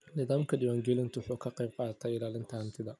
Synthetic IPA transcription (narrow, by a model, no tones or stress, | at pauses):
nɪðaːmkʰɐɖɪwaːŋɡɛlɪnt̪ʰwʊħuːkʰɐqɛjb̚qɑːðɐt̪ʰɛɪlaːlɪnt̪ʰɐhɐnt̪ʰɪðɐ